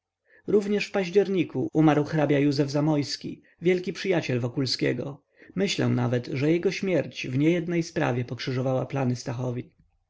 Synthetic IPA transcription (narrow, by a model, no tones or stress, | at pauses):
ɾuvɲɛʂfpaʑd͡ʑɛɾɲikuʔumaɾwxɾabʲjajuzɛvzamɔjskʲḭ | vʲjɛlkʲipʂɘjat͡ɕɛlvɔkulskʲɛ̰ɡɔ | mɘɕlɛ̰w̃na̰vɛt̪ʐɛjɛɡɔɕmʲjɛɾt͡ɕvɲɛjɛd̪nɛjspɾa̰vʲjɛpɔkʂɘʐɔvawaplanɘst̪axɔvʲi